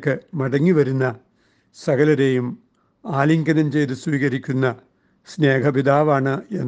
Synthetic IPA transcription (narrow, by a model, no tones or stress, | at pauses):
kːɨmɐɽɐŋːiʋɐɾunːɐ | sɐɣɐlɐɾe̞ːjum | aːliŋɡɐnɐmt͡ɕejðɨswiːɣɐɾikʲːunːɐ | sne̞ːkɐpiðaːʋaːɳɨe̞nː